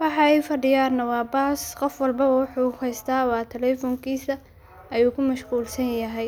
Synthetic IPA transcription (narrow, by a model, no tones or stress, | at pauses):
wɑħɑɛjfɐɖɪjaːrnɐwɑːbasqɔfwɑlbɐwʊħuːhɛjst̪ʰaːwɑːt̪ʰɛlɛːfɔŋkʰiːsɐ | ʔɐjuːkʰʊmɐʃquːlsɐnjɐɦɛj